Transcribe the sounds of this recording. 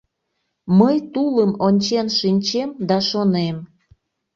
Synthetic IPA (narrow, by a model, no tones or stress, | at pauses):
məjt̪uləmonʲt͡ɕenʃinʲt͡ɕemd̪ɑʃonem